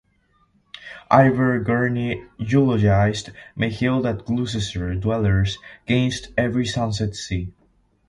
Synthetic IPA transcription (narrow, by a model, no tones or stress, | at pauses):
ʔaɪvə˞ɡɜɹnijulɔd͡ʒaɪzdmʔeɪhilˠdæt̚ɡlus̬ɨsə˞dwɛlˠə˞zɡ̥ẽnstɛvɹisʌ̃ns̬ɛtsi